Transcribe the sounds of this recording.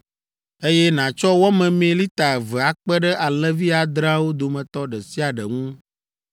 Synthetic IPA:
e˦jɛ˦nã˨t͡ʃɔ˦wɔ˦mɛ̃˨mẽ˨li˦t̪a˨vɛ˨a˨k͡pɛ˦ɖə˦ʔa˨lɛ˦vi˦a˨d̪ɾã˦wo˦d̪o˨mɛ̃˨t̪ɔ˦ɖə˨si˦a˨ɖə˨ŋũ˦

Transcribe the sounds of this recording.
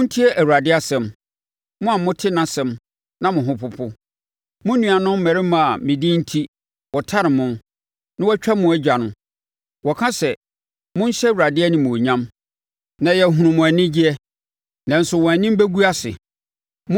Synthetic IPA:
n̩˦tʰi˦ɛ˦ʔæ˨wu˨ɾa˨dɪ˦a˨sɛ̃˨m | mʊ̃˦a˨mʊ̃˦tʰɪ˦nã˦˨sɛ̃˨m | nã˦mʊ̃˨ɦʊ̃˦pʰʊ˦pʰʊ˦ | mʊ̃˦nũ˨a˨nʊ̃˦m̩˦mæ˨ɾɪ˦mã˨a˨mɪ̃˨dĩ˦n̩˦tʰi˦ | wɔ˨tʰa˦ɾɪ˨mʊ̃˦n | nã˦wɔ˦t͡ɕᶣa˦mʊ̃˨˦æ˦d͡ʑᶣa˨nʊ̃˨ | wɔ˨kʰã˦sɛ˨ | mʊ̃˦n̩˦ɕɛ˦wu˨ɾa˨dɪ˦ɛ˦nɪ̃˨mʊ̃˨ɲã˦m | nã˨jɛ˨ɦũ˨ɾʊ̃˨mʊ̃˨æ˨nɪ̃˦d͡ʑi˦ɛ˦ | nã˨n̩˨sʊ˨wɔ̃˨æ˨nɪ̃˦m˦bæ˦ɡu˦a˦sɪ̰˨ | mʊ̃˦

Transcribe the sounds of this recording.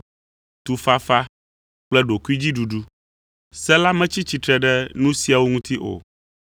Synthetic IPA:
t̪u˨fa˦fa˦ | k͡plɛ˦ɖo˨ku˦i˦d͡ʑi˦ɖu˨ɖu˦ | sɛ˦la˦mɛ̃˦t͡ɕi˦t͡ɕi˨t̪ɾɛ˨ɖɛ˦nũ˦si˦a˨wo˦ŋũ˦t̪i˦ʔo̰˨

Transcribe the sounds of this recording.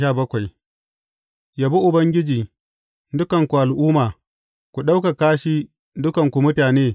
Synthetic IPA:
aː˦˨bɐ˦kʷa˨j | jaː˨bu˦ʔʊ˨bɐ˦ŋɡʲɪ˦d͡ʒiː˨ | dʊ˦kɐ˨ŋkʷu˨ʔa˨lʔʊː˦maː˨ | kʷu˨ɗa˦wka˨kaː˦ʃiː˦ | dʊ˦kɐ˨ŋkʷu˨mʊ˦ɸaː˨neː˦

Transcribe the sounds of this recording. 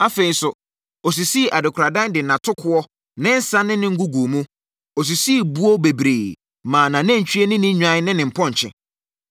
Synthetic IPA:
a˦fe˨i˨sʊ˨ | ɔ˨s̬i˨si˦˨ʔa˨dɪ˨kʰɾa˨dã˦ndɪ˨nã˨tʰʊ˦kʰʊ˦ɔ˦ | nɪ̃˦n̩˦sã˦nɪ̃˦nɪ̃˦ŋ̩˦ɡu˦ɡu˨mũ˦ | ɔ˨s̬i˨si˦˨bu˦ɔ˦be˨bɾe˨ | mãː˨nã˨nɛ̃˦ɲ˨t͡ɕʰᶣi˦e˦nɪ̃˦nɪ̃˦ɲᶣã˦nɪ̃˦nɪ̃˨m̩˨pʰɔ̃˦ɲ̩˨t͡ɕʰɪ̰̃˨

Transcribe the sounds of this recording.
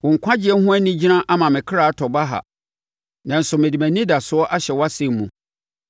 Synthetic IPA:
wʊ̃˨ŋ̩˨kʷʰã˦d͡ʑɪ˦ɛ˦hʊ̃˦æ˦nĩ˦d͡ʑi˦nã˦ʔa˦mã˨mɪ̃˨kʰɾa˨a˦tʰɔ˨ba˦ɦa̰˨ | nã˨n̩˨sʊ˨mɪ̃˨di˨mæ̃˨nĩ˦da˨sʊ˦ɔ˦ʔa˦ɕɛ˨wa˦sɪ̃˦˨m˦mũ˨

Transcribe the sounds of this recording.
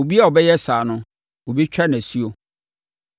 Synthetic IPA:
o˨bi˦a˦˨ɔ˨bɛ˦jɛ˦saː˨nʊ̃˦ | o˨bi˦t͡ɕᶣɛ˦n˨æ˨si˦o˨

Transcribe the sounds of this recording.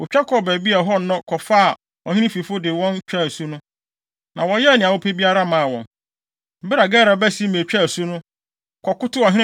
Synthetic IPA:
ʊ˨t͡ɕᶣa˦kʰɔ˨bæ˨bi˦a˨ɦɔ˦n˦nɔ̃˦kʰɔ˨fa˦˨ | ɔ˨hĩ˦nĩ˦fi˨fʊ˦dɪ˨wɔ̃˦nt͡ɕᶣa˦˨su˦nʊ̃˦ | nã˨wɔ̃˦jɛ˦˨nɪ̃˨a˨wʊ˦pʰe˦bi˦a˦ɾa˦mã˦a˨wɔ̃˨n | m̩˦bɪ˦ɾa˨ɡɛː˦ɾa˨bæ˦si˦mẽ˨t͡ɕᶣa˦˨su˦nʊ̃˦ | kʰɔ˨kʊ˦tʊ˦ɔ˨ɦĩ˦ñ˦

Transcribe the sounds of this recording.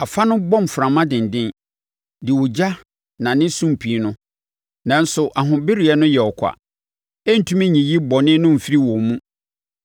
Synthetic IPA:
a˨fa˦nʊ̃˦bɔ̃˦˨m˨fʊ˨ɾã˨mã˦dɪ̃˨n˨dɪ̃˦n | dɪ˨wʊ˨d͡ʑa˦ | nã˨nɪ̃˦sũ˦m̩˨pʰi˨˦nʊ̃˦ | nã˨n̩˦sʊ˨ʔa˨ɦʊ̃˨bɪ˦ɾi˨ɛ˨˦nʊ̃˦jɛ˨ɔ˨kʰʷa̰˨ | ɛ˦n̩˨tʰũ˦mĩ˦ɲĩ˨ji˦bɔ˨nɪ̃˦nʊ̃˦m̩˨fi˦ɾi˦wɔ˨mũ˦

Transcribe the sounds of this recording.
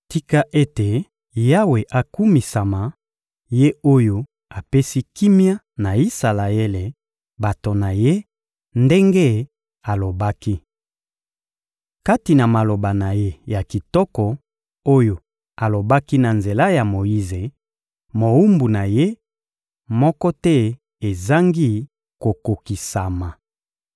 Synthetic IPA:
ti˦ka˦ʔe˦te˨ | ja˦we˨ʔa˨ku˦mi˨sa˨ma˨ | je˦o˦jo˦ | a˨pe˦si˦ki˦mja˦ | na˨i˦sa˨la˨e˦le˨ | ba˨to˨na˨je˦ | nde˦ŋɡe˦ | a˨lo˨ba˦ki˦ | ka˦ti˨na˨ma˨lo˨ba˨na˨je˦ja˨ki˨tɔ˦kɔ˨ | o˦jo˨ | a˨lo˨ba˦ki˦na˨nze˨la˦ja˨mo˨ji˦ze˨ | mo˨u˦mbu˨na˨je˦ | mɔ˦kɔ˦tɛ˦ | e˨za˦ŋɡi˦ | ko˨ko˨ki˨sa˨ma˨

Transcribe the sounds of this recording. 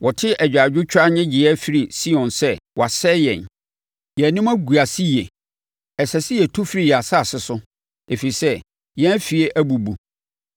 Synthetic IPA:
wʔɔ˨tʰɪ˦ʔæ˨d͡ʑᶣa˨d͡ʑᶣʊ˦t͡ɕʰᶣa˦ɲɛ̃˦d͡ʑi˨ɛ˦fi˦ɾi˨si˦ɔ̃˨nsɛ˦wɔ˨a˨sɛ˦jɛ̰̃˨n | jɛ˨nɪ̃˦ma˦ɡu˨a˨si˦jɛ˨ | ɛ˨sɛ˨sɪ˦jɛ˨tʰu˦fi˦ɾi˦˨jɛ˨a˨sa˦˨sɪ˦sʊ˦ | e˨fi˨i˨sɛ˦ | jɛ̃˦fi˨e˦ʔæ˦bu˨bu˨

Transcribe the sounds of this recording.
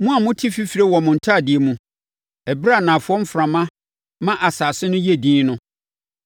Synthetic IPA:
mũ˦a˨mʊ̃˦tʰi˦fi˦fɾe˦wɔ˨mʊ̃˨n̩˨tʰa˦˨dɪ˨e˨mũ˨ | ɛ˨bɾa˦˨nã˨fʊ˦ɔ˦m̩˦fɾã˨mã˦ | mã˦ʔa˨saː˨sɪ˦nʊ̃˦je˦˨dĩː˦nʊ̃˦

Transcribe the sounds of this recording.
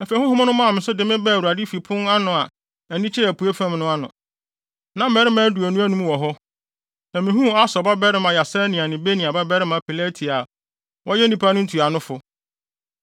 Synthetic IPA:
ɛ˨fe˨hʊ̃˦hʊ̃˦nʊ̃˦mã˦˨mɪ̃˨sʊ˦dɪ˨mɪ̃˦bɛː˦˨wu˨ɾa˨dɪ˦fi˨pʰʊ̃˦na˦nʊ̃˨a˨ | æ˨nĩ˦t͡ɕʰɪ˦ɾæ˨pʰu˨˦e˦fã˦mnʊ̃˦a˦nʊ̰̃˨ | nã˨m̩˦mɛ˨˦ɾɪ˦mãː˨˦du˨æ˨nũ˦æ˦nũ˦m˦wɔ˨ɦɔ˦ | nã˨mɪ̃˨ɦũ˦a˦sɔ˨ba˦bɛ˦ɾɪ˦mã˨ja˨sɛ˦nĩ˨a˨nɪ̃˨be˦nĩ˨a˨ba˦bɛ˦ɾɪ˦mã˨pʰi˨lɛ˦tʰi˨a˨ | wʔɔ˦jɛ˦nĩ˦pʰa˦nʊ̃˦n̩˦tʰu˨a˨nʊ̃˦fʊ˨

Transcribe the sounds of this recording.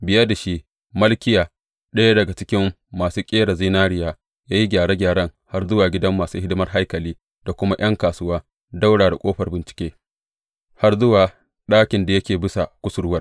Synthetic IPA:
bɪ˨jɐ˦da˨ʃi˦ʔ | mɐ˦lkʲɪ˦jaː˨ | ɗɐ˦ja˦dɐ˨ɡa˨t͡ʃɪ˦kʲɪ˦mː | aː˨suː˦kʲʼeː˦ɽa˨zi˦naː˦ɽɪ˦jaː˦ | jaː˦ji˦ɡʲaː˨ɽeː˦ɡʲaː˨ɽɐ˦ŋha˦rzʊ˦waː˨ɡʲɪ˦dɐ˦mːaː˨suː˦hɪ˦dɪ˦mɐ˦rɦa˦jkɐ˨liː˦ | d̥a˨kʷʊ˦ma˦j̰ɐ˦ŋkaː˨sʊ˦waː˦ | da˦wɽaː˨da˨kʼoː˦ɸɐ˨rbɪ˨nt͡ʃɪ̥˦kʲeː˦ | ha˦rzʊ˦waː˨ | ɗaː˦kʲɪ˨nda˨jɐ˦kʲeː˨bɪ˦sa˨kʷʊ˦sʊ˨ɾʊ˦wɐ˦r

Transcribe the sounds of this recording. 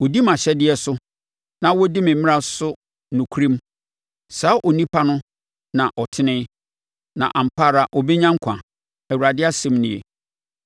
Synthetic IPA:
wɔ˨di˦mã˨ɕɛ˦dɪ˦ɛ˨sʊ˦ | nã˦wɔ˦dɪ˦mɪ̃˨m̩mɪ̃˦ɾa˦sʊ˦ | nʊ̃˨kʰu˦ɾĩ˦m | saː˨˦ʔɔ˨nĩ˦pʰa˦nʊ̃˦ | nã˨ʔɔ˨tʰɪ˦nɪ̃˦ | nã̰˨ʔã˨m̩˨pʰaː˦˨ɾa˨ʔɔ˨be˦ɲã˦ŋ̩˦kʷʰã̰˨ | æ˨wu˨ɾa˨dɪ˦a˦sɛ̃˦mnɪ̃˦˨jḛ˨

